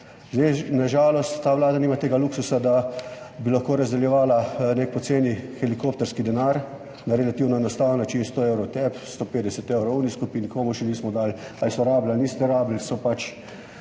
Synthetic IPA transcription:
zd̪ɛnaʒaːlɔst̪ːaːʋlaːd̪aniːmat̪eːɡaluksusad̪a | bilaxkoːɾazd̪ɛljɛʋaːlanek̚pɔt̪seːnixɛlikoːp̚t̪ɛɾskid̪ɛnaɾ | naɾɛlat̪iwnɔenɔst̪aːwənːat͡ʃiːnst̪oewɾɔwt̪ɛpst̪opeːd̪ɛsɛt̪ewɾoɔwniskupinikoːmuʃɛniːsmɔd̪aːl | alisɔɾaːblalniːst̪ɛɾaːbl̩sɔpat͡ʃ

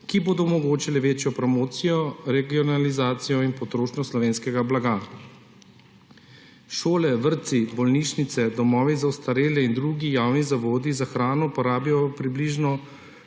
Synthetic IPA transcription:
kiboːd̪ɔumɔɡoːt͡ʃilɛʋeːt͡ʃjɔpɾɔmoːt̪sijɔɾɛɡiɔnalizaːt̪sijɔinpɔt̪ɾoːʃnɔslɔʋeːnskɛɡablaɡa | ʃoːlɛʋəɾt̪sibɔlniːʃnit̪sɛd̪ɔmɔːʋizawst̪aɾeːlɛind̪ɾuɡijaːwnizaʋoːd̪izaxɾaːnɔpɔɾaːbjjɔɔpɾibliʒnɔ

